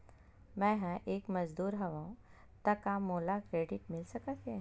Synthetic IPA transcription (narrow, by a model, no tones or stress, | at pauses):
mɛ̃ɦɛ̃ʔeːkmɐzd̪uːɾɦɐʋaũ | t̪ɐkamoːlakɾeːɖɪʈmɪlsɐkat̪eɦ